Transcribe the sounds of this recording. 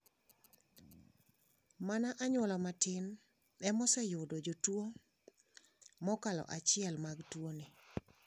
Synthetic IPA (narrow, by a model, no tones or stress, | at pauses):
manaʔaɲwɔlɔmatɪn | ɛmɔsɛjʊdod͡ʒotwo | mɔkalɔ̰ʔat͡ʃɪɛlmaɡtwonɪ